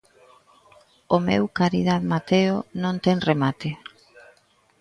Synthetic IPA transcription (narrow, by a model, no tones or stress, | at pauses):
ʊmḛwkaɾiðaðmat̪eonõnt̪ɛŋremat̪ɪ